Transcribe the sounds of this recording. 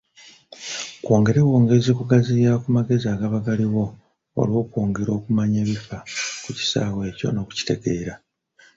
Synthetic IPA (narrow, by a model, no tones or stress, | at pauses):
kwo̞ːŋɡe̞ɾeβo̞ːŋɡezikuɡazijakumaɡe̞ziaːɡaβaɡaliɣo̞ | o̰lwo̞ːkwo̞ːŋɡe̞ɾo̞ːkumaɲe̞ːβifakuci̥sa̰ːwe̞ːco̞̰no̞ku̥ci̥te̞ɡe̞ːɾa